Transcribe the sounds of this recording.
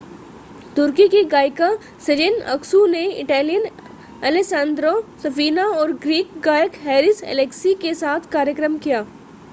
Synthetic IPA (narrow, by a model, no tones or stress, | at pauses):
t̪ʊɾkikiɡaːɪka | sɐd͡ʒenɐ̰ksuneɪ̰ʈɛːlijən | ɐlesãːnd̪ɾosɐfiːnaɔːɾɡɾiːkɡaːjəkɦɛːɾɪsɛ̰leːksikesaːt̪ʰkaːɾjəkɾəmkijaː